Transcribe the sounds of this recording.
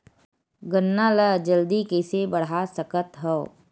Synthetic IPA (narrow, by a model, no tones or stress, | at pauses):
ɡənːaːləd͡ʒəld̪ikɛːsebəɽ̤asəkət̪ɦɔ